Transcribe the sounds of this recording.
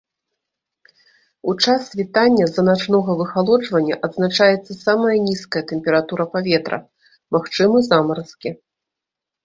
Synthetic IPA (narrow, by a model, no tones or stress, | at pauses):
ut͡ʂasvʲit̪anʲːɐzɐnat͡ʂnɔɣɐvɨxalˠɔd͡ʐvɐnʲːɐʔɐd̪znat͡ʂajɛt̪sːɐsamɐjɐnʲiskɐjɐt̪ɛmʲpʲɛɾat̪uɾɐpavʲɛt̪ɾɐ̰ | maxt͡ʂɨmɨzamɐɾɨskʲɛ